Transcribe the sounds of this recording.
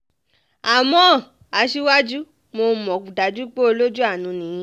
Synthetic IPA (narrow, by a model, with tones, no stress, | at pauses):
a˨mɔ̃˨˦˨ | a˨˧ʃi˦wa˦d͡ʒu˦ | mo˧mɔ̃˨k͡pu˨da˨d͡ʒu˦k͡po˦o˧lo˦d͡ʒu˦a˦˨nũ˨˦nĩ˨jĩ˧˦